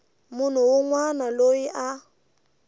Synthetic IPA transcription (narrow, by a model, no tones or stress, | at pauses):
mʊn̤ʊwʊŋwanaloiʔa